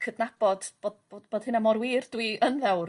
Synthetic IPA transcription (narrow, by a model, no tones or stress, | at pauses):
kʰədnab̥ɔd̥b̥oːdbodb̥oːd̥hɨnamɔɾwiːrdwiənðɛwr